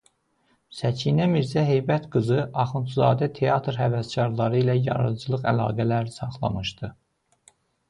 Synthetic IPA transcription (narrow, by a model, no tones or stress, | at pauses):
sæcʰinæmiɾzæɦe̞jbæt̪ɡɯzɯʔɑχɯnt̪ʰzɑ̰ːd̪æt̪ʰe̞ɑt̪ʰɾhævæscʰɑɾlˠɑɾɯilæjɑ̰ɾɯ̰d͡ʒɯlˠɯχælɑ̰ːɡælæɾsɑχlˠɑ̰mɯʃd̪ɯ